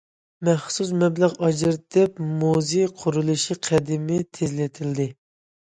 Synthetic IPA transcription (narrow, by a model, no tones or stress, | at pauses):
mɛχsusmɛblæʁɑd͡ʒɨɾt̪ɛpmuziqʰʊɾulˠɨʃiqʰæd̪ɪmɪt̪ʰezlɪt̪ʰɪld̪ɪ